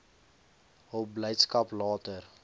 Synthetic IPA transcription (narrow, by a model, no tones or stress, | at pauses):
ɦəlbləjtskɐplɑːtər